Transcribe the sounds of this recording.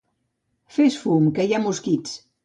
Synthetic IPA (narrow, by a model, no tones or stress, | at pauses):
fesfumkəjamuskit͡s